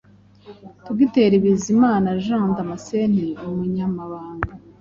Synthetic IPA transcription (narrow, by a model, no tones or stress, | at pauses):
tuɡiteɾiβizimaːnaʒãːndamasen̥iomuɲamaβaːŋɡa